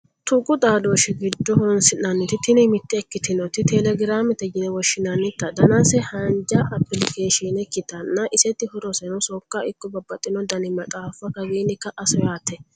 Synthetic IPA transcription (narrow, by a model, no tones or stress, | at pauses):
t̪ʊkʼːʊt̪ʼaːd̪o̞ːʃɪɡɪd̪ːɔhɔnsɪnɐnːɪt̪ɪt̪ɪnɪmɪt̪ːɛɛkːɪt̪ɪnɔt̪ɪt̪ɛlɛɡɪɾaːmɛt̪ɛd͡ʒɪnɛwɔʃːɪnɐnːɪt̪ːɐd̪ɐnasɛhɐnd͡ʒɐʔɐpːɪlɪkeːʃinɛkːɪt̪ɐnːɐʔɪsɛt̪ːɪhɔɾɔsɛnɔsɔkːaʔɪkːɔbɐbːɐt̪ʼːɪnɔd̪ɐnɪmɐt̪ʼaːfɐkɐwiːnːɪkːɐʔɐsɔjaːt̪ːɛ